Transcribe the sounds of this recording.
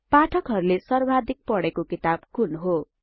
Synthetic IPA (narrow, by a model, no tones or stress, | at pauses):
paʈʰʌkɦʌɾulesʌrbʱad̪ʱik̚pʌɽekokit̪ab̚kunɦo